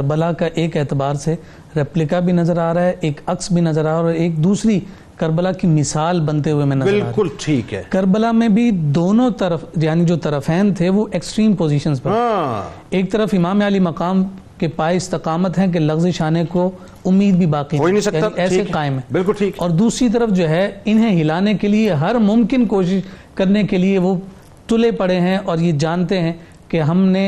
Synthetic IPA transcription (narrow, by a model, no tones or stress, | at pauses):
kɐɾbəlakaʔeːkɛːt̪ɪbaːɾse | ɾɛːplɪkabʱinɐzəɾaːɾaɦɛʔeːkɐksbʱinɐzəɾaːɔːɾeːk̚d̪uːsɾi | kɐɾbəlakimɪsaːlbɐ̃nt̪eɦuemẽnɐzbɪlaːkʊlʈʰiːkɦɛ̰ːkɐɾbəlamẽbʱid̪oːnõt̪ɐɾəfjaːnid͡ʒoːt̪ɐɾəfɛːnt̪ʰeʋoʔeksʈɾiːmpoːziːʃənzpɐɾ | eːk̚t̪ɐɾəfɪmaːmjaːlimɐqaːm | kepaːɪɪst̪ɪqaːmət̪ɦɛ̃k̬elɐxzeʃaːneko | ʊmːiːd̪̚bʱibaːqinoiñsɐkjaːaiɛːseaːɪmɦɛ̃ːbɪlkʊlʈʰiːkɔːɾd̪uːsɾit̪̬ɐɾəfd͡ʒoːɦɛɪnɦẽɦɪlaːnekelieɦɐɾmʊ̃mkɪnkoːʃɪʃkɐɾnekelieʋo | ʈʊlepɐɽeɦɛ̃ʔɔːɾjed͡ʒaːnt̪eɦɛ̃ | keɦɐmne